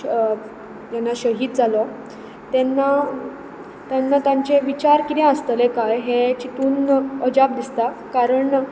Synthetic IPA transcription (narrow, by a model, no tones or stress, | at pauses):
d͡ʑanːaɕəɦiːd̪̚d͡zalɔ | t̪ɛnːa | t̪janːat̪jãɲt͡ɕeʋit͡ɕaɾkit̪ɛ̃əst̪əlẽkajɦet͡ɕit̪uːnəd͡ʑab̚d̪ist̪a | kaɾəɳ